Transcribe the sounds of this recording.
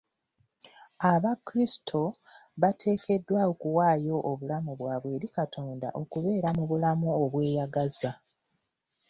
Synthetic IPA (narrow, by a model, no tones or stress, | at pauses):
aβakɾistʰo̞βatʰe̞ːkʰe̞dːwaokuwaːjo̞ʔːβulamuβwaːβwe̞ːɾikatʰo̞ːnda̰ʔo̞kuβe̞ːɾamuβulamuoβwe̞ːjaɡaza